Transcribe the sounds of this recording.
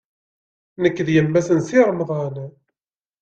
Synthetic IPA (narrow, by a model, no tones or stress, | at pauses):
nəkːðjəmːæsənsiɾˤmðˤɑn